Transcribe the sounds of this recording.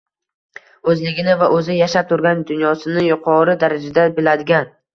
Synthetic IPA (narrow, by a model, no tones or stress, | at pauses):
ɵzlɪɡʲɪnɪvaʔɵzɪjaʃap̚t̪ʰʊɾɡʲand̪ʊnjɒsɪnɪjʊqʰɒɾɪd̪aɾad͡ʒad̪abɪlad̪ɪɡʲan